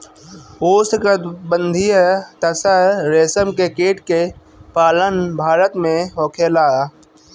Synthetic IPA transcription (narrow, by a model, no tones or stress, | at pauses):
oːskəd̪bə̃nd̪ʱijət̪əsəɾɾeːsəmkekeːʈke | paːlənbʱaːɾət̪mẽoːkʰeːlaː